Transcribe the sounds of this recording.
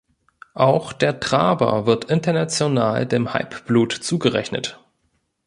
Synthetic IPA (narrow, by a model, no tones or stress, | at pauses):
ʔaʊxd̥eːɐtʁ̥aːbɐ̰vɪɐtʔɪntɐnat͡sjonaːldeːmha̰ɪpb̥luːtt͡suːɡəʁɛ̰çnə̰t